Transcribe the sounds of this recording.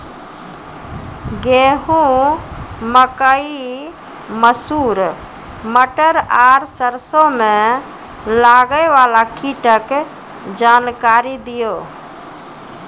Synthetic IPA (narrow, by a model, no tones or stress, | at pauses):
ɡeɦũ | məkəi | məsuːɾ | məʈəɾaɾsəɾsõmẽ | laɡəʋalakiʈək | d͡ʒankaɾid̪ijo